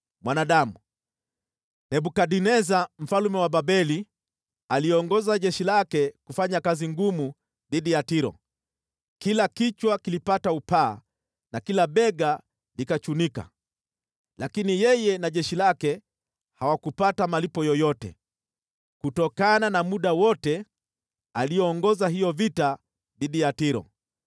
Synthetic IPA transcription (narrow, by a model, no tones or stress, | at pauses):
mwanaɗamu | nɛɓukaɗinɛzam̩falumɛwaɓaɓɛli | aliɔŋɡɔzaʄɛʃilakɛkufaɲakaziŋɡumu | ðiɗijatiɾɔ̰ | kilakit͡ʃwakilipataupaː | nakilaɓɛɡa | likat͡ʃunika̰ | lakinijɛjɛnaʄɛʃilakɛ | hawakupatamalipɔjɔjɔtɛ̰ | kutɔkananamuɗawɔtɛ | alijɛːŋɡɔzaɦijɔvita | ðiɗijatiɾɔ̰